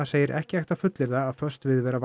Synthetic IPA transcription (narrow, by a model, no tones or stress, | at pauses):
aseːjɪɾʔɛ̰hcɪajht̪afʏt̪lɪɾðaːðfœ̥st̪vɪðvɛːɾav